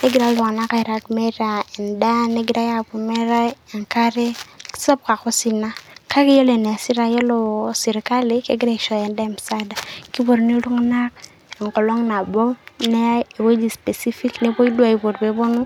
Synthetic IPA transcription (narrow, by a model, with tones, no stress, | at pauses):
ne˦ɡi˨ɾa˦lu˨ŋa˨na˦ka˨i˨ɾa˨kme˦ɾa˨ɛ˨nda˦ne˦ɡi˨ɾa˦ja˨bu˨me˦ɾa˦e˨ŋka˦ɾe̥˦sɔ˦p̚ka˨ko˦si˦na˦ka˦ki˦jo˦le˨ne˨si˦ɾa˦jɔ˦lo˨si˨ɾka˦li˦kḛ˦ɡɪ˦ɾe˦kʃɔ˨ɛ˨nda˦e˦˨m˨sa˦da˨ki˦bo˨ɾni˦lu˦ŋna˦k | e˨ŋkɔ˨lɔ˦ŋna˨bɔ˦ne˦e˨we˦d͡ʒi˨spe˨si˦fi˦kne˦po˦i˦dwa˨i˨bo˨ɾbe˨bo˦nu˦